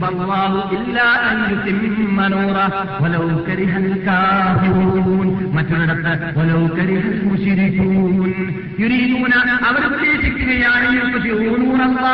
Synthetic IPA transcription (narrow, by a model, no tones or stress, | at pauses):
bɐlːɑːɦuʔɪlːaːʔɐnjut̪ɪmmɐnuːɾˤɑ | wɐlɐwkɐɾɪɦukaːfɪɾuuːn | mɐtːoɽɐɽɐt̪ːɐwɐlɐwkɐɾɪɦusuːʃiɾikːuːn | juɾiːd̪uːnɐɐʋɐɾɐpːleːsikʲːuɣɐjaːnejupːɐt̪ioːnuːnɐlːɑː